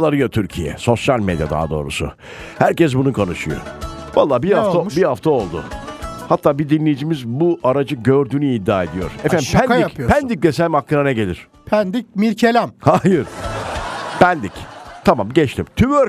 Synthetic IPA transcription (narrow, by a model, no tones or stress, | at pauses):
lˠaɾɯjot̪ʰyɾcʰijɛ̰so̞sjalʲmed̪ja̰d̪a̰ːd̪o̞ːɾṵsʊ̰ | hæɾcɛs̬bunukʰanɯʃɯjo̰ | valˠːaːbiaabihaft̪ʰao̞lˠd̪ʊ̰hat̪ʰːaːbiɾd̪inlʲe̞jid͡ʒimizbuʔaɾad͡ʒɯɟøɾd̪yːnyːd̪ːaːe̞d̪ijo̞̰ɾ̥ɛfænd̪impʰɛnd̪iopʰnd̪ic̚d̪esɛlʲmaklˠɯɾanɛɟe̞lʲiɾ̝̥ | pʰænd̪ic̚miɾcʰelʲæmhajɯɾ | pænd̪ict̪ʰamamɟɛt͡ʃt̪ʰimt̪ʰyvøɾ